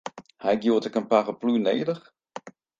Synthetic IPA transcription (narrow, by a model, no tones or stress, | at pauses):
hɛjɡjuətəkənpaɣəpluneːdəx